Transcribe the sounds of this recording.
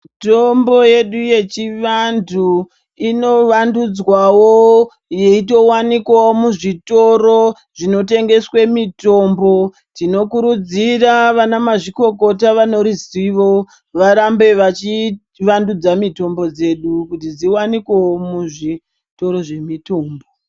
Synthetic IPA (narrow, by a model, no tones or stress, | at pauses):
mitombo̞je̞ɗuje̞t͡ʃiʋandu | ino̞ʋandud͡zwawo | jeito̞wanikwawomuʐito̞ro | ʐino̞te̞ŋɡe̞swemito̞mbo̞ | tino̞kuɾud͡ziraʋanamaʐiko̞ko̞taʋano̞ɾiziʋo̞ | ʋaɾambe̞ʋat͡ʃi | ʋandud͡zamito̞mbo̞d͡ze̞ɗukutid͡ziwanikwewomuʐi | to̞ɾo̞ʐe̞mito̞ːmbo